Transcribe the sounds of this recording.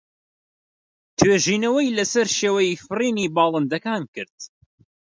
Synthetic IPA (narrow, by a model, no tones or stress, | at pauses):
t̪ʰweːʒiːnɐwɐjlɐsɐɾʃeːwɐjifɨriːniːbɑːlˠɨnd̪ɐkaːnkɨɾd̪̥̚